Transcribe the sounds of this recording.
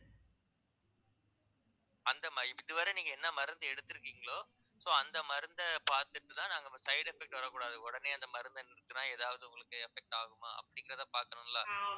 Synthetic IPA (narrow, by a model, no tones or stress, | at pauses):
ɐnd̪ɐmɪðɯʋaːɾɛniːŋɡɐɛnːɐmɐɾɐnd̪ɯɛɽɯt̪ːɯɾɯkːiːŋɡɐɭoː | soːɐnd̪ɐmɐɾɯnd̪ɐpaːɾt̪ɯʈːɯt̪ãːnaːŋɡɐsɐɪɽɛfɛk̚ʈʋɐɾɐkːuːɽaːðɯɔɽɐneːɐnd̪ɐmɐɾɯnd̪ɐnɪɾɯkːɯnãːeːðaːʋɐðɯʊ̃ŋɡɐɭɯkːɯɛfɛk̚ʈaːɣɯmaːʔɐ̰pːɐɽɪŋɡɪɾɐt̪ãːpaːɾkɐɳɯŋlaː